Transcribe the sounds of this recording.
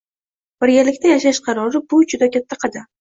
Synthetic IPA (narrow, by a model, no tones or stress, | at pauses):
b̥ɪɾɡʲalɪkʲt̪ʰajaʃaʃqʰɑɾɒɾɪbʊd͡ʒʊd̪akʲat̪ʰːaqʰɨd̪ɪ